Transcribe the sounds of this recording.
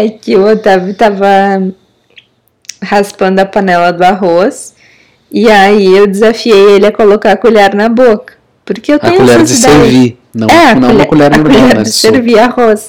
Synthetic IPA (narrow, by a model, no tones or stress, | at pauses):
ɛkɪʊot̪avɪt̪avɐ | haspɐ̃nd̪ʊɐpɐ̃nɛlɐd̪ʊaɦos | iaiewd͡ʒɪzafiejelɪɐkolokakuʎɛɾnɐbokɐ̥ | poɾkeewt̪ẽɲ̃ũʎɛd͡ʒɪisd̪aeɾvi | nɐ̰̃ɛɐ̃uʎkuʎɛɾuʎɛɾd͡ʒɪseɾviahos